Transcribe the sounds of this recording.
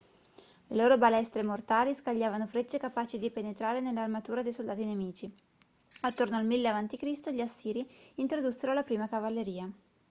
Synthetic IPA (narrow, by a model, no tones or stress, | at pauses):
leloːɾobalɛst̪ɾemort̪aːliskaʎːaːvanofɾet͡ʃːekapaːt͡ʃid̪ipenet̪ɾaːɾenelːarmat̪uːɾad̪ejsold̪aːt̪inemiːt͡ʃi | at̪ːornoalmilːeavant̪ikɾist̪oʎasːiːɾiiːnt̪ɾod̪usːeɾolapɾiːmakavalːeɾiːa